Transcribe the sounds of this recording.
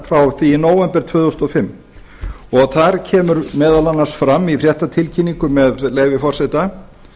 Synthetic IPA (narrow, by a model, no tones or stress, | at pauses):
fɾawθinoːwɛmpɛɾ̥t̪ʰvœːðust̪ɔfɪmː | ɔɣθaɾ̥cʰɛːmʏɾmɛːðalanːḁsfɾamːifr̥ɾjɛht̪at̪ʰɪlcʰinːiŋkʏmɛðleːjvɪfɔr̥sɛt̪a